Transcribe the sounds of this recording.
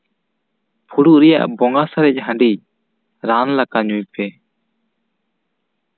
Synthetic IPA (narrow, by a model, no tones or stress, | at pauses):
pʰuɽuʔɾɛja̰ʔbɔŋɡasaɾɛc̚ɦãɳɖi | ɾanlakaɲujpɛ